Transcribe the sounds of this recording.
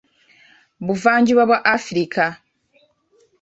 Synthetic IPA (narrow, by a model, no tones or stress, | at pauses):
βuvaːɲɟiβwaβwaʔafɾikʰa